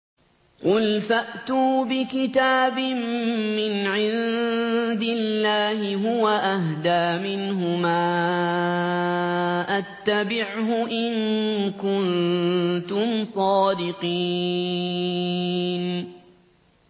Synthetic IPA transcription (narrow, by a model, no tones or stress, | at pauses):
qʊlfaʔt̪uːbɪkɪt̪aːbɪmːɪnʕɪn | d̪ɪlːaːhɪɦʊwaʔaɦd̪aːmɪnɦʊmaː | ʔat̪ːabɪʕɦʊʔɪnkʊn | t̪ʊmsˤɑːd̪ɪqiː | n